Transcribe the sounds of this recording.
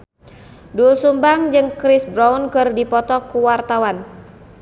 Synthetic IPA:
dulsumbaŋd͡ʒɨŋkɾisbɾawnkɨrdipɔt̪ɔkuwart̪awan

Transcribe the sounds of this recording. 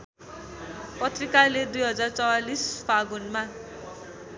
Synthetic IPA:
pʌt̪rikaled̪ujɦʌd͡zart͡sʌwalisbaɡunma

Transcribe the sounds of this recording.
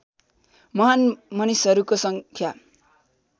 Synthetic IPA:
mʌɦanmʌnisʌɾukosʌŋkʰja

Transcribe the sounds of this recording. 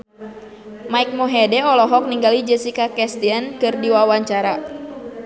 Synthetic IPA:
maik̚moɦɛdɛɔlɔɦɔk̚niŋɡalid͡ʒɛsikakɛst̪iankɨrdiwawaɲt͡ʃaɾa

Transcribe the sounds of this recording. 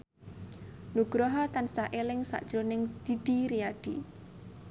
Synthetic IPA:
nuɡ̥ɾɔɦɔt̪ansaʔelɪŋsa̰ʔd̥ʒ̥ɾonɪŋd̪̥iɖ̥iɾiaɖ̥i

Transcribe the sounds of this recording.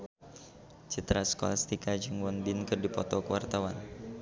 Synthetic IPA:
t͡ʃit̪ɾaskoa̰lst̪ikad͡ʒuŋwɔnbɪnkɨrdipɔt̪ɔkəwart̪awan

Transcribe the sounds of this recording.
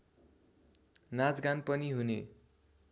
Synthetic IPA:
nad͡zɡanpʌniɦunḛ

